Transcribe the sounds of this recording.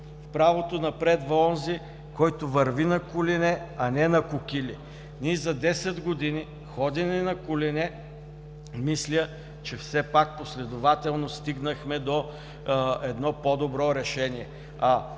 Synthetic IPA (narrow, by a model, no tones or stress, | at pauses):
fpɾavot̪onɐpɾɛd̪vɐɔnzi | kɔjt̪ovɐɾvinɐkʊlinɛɐnɛnɐkʊkʲili | nʲiɛzɐd̪ɛsɛd̪ɡod̪ini | xɔd̪ʲinɛnɐkʊlinɛ | mislʲə | t͡ʃɛfsɛpak̚poslɛd̪ʊvat̪ɛlˠnost̪iɡnəxmɛd̪o | ɛd̪nɔpɔd̪obɾɔɾɛʃɛniɛ | ɐ